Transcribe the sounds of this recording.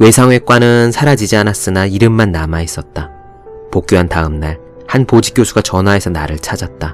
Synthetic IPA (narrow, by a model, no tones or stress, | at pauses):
we̞sʰaŋwe̞k͈wanɯnsʰaɾad͡ʑid͡ʑianas͈ɯnaiɾɯmːanːamais͈ʌt̚t͈a | pok͈joɦantaɯmnaɭ | hanpod͡ʑik͈josʰuɡat͡ɕʌnɦae̞sʰʌna̰ɾɯɭt͡ɕʰad͡ʑat̚t͈a